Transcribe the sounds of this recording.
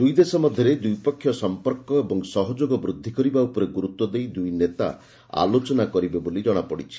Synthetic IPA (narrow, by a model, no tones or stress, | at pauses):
d̪ujd̪esɔmɔd̪ʱjɔɾed̪ujpɔkʰːjɔsɔmpɔɾkɔebɔŋsɔɦɔd͡ʒoɡɔbɾud̪ʱːikɔɾibaupɔɾeɡuɾut̪wɔd̪ejd̪ujnet̪a̰ | a̰lot͡ʃɔnakɔɾibebolid͡ʒɔɽ̃apɔɽit͡ʃʰi̥